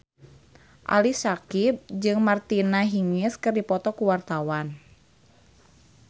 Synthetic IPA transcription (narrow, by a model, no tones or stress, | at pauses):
ʔa̰lisakib̚d͡ʒɨŋmart̪inaɦiŋɪskɨrdipɔt̪ɔkuwart̪awan